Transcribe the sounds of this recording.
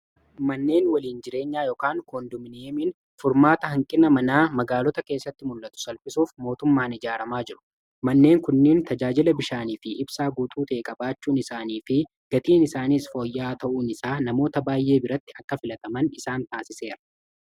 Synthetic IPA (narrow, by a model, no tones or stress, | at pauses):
mɐnːe̞ːnwɐliːnd͡ʒɪɾe̞ːɲːaːjɔːkaːŋkoːnd̪ʊmɪneːmin | fʊɾmaːt̪ɐɦɐŋkʼɪnɐmɐnaːmɐɡaːlɔt̪ɐke̞ːsːɐt̪ːɪmʊlːɐt̪ʊ̥sɐlfɪsuːfmo̞ːt̪ʊmːaːnɪd͡ʒaːɾɐmaːd͡ʒɪɾʊ̥ | mɐnːe̞ːŋkʊnːeːnt̪ɐd͡ʒaːd͡ʒɪlɐbɪʃaːniːfɪʔɪbsaːɡuːt̪ʼuːt̪eːkʼɐbaːt͡ʃːuːnɪsaːniːfɪ | ɡ̥ɐt̪iːnɪsaːniːsfo̞ːjːaːt̪ɐʔuːnɪsaːnɐmo̞ːt̪ɐbaːjʔe̞ːbɪɾɐt̪ːɪɐkːɐfɪlɐt̪ɐmɐnɪsaːnt̪aːsɪse̞ːɾɐ̥